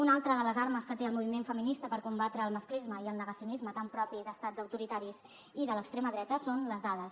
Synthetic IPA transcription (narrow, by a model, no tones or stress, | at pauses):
unalˠt̪ɾəðələzaɾməskət̪eəlˠmuβimeɱfəminist̪əpəɾkumbat̪ɾəːlˠməsklizməiəlˠnəɣəsiunizmət̪ampɾɔpiðəst̪ad͡zəwt̪uɾit̪aɾiz | iðələkst̪ɾeməðɾɛt̪əsonləzðaðəs